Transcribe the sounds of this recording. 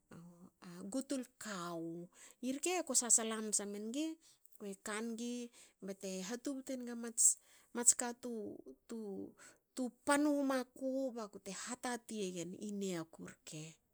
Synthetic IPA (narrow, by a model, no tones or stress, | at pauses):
aaɡutulkawiɾkeko̞sasalamsamenɡe | ekanɡibate̞ɦatubtenɡamat͡ʃ | mat͡ʃkatututupanumakobakute̞hatatieɡenineakuɾkʰe